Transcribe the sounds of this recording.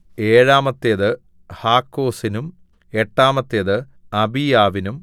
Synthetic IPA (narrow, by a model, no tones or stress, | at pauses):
e̞ːɻaːmɐt̪ːeðɨ | haːkːo̞ːsinum | e̞ʈːaːmɐt̪ːeðɨ | ɐbijaːʋinum